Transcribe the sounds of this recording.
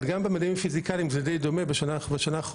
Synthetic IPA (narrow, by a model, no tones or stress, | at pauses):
dɡambemad̪imfizikaliimzɛd̪ejd̪omebeʃnabeʃanaχ